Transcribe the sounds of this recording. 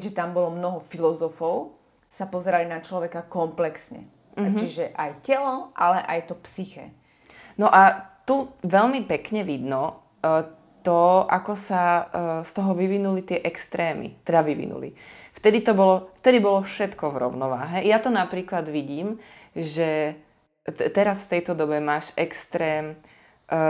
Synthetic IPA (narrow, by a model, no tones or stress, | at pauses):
kʒɛt̪ambɔlɔmnɔɦɔfilɔzɔfɔʊ | sapɔzɛɾalinat͡ʃlɔʋɛkakɔmplɛksɲɛ̰ | t͡ʃiʒɛʔajcɛlɔʔalɛʔajt̪ɔpsixɛ̰ | nɔʔat̪uʋɛlmipɛkɲɛʋid̪nɔ | t̪ɔʔakɔsast̪ɔɦɔʋiʋinulit̪ɪɛʔɛkst̪ɾɛːmḭt̪ɛd̪aʋiʋḭnṵlḭft̪ɛd̪it̪ɔbɔlɔft̪ɛd̪ibɔlɔfʃɛt̪kɔvɾɔ̰ʊnɔʋa̰ːɦɛjat̪ɔnapɾiːklad̪ʋiɟiːm | ʒɛ | t̪ɛɾasft̪ɛjt̪ɔd̪ɔbɛmaːʃɛkst̪ɾɛːm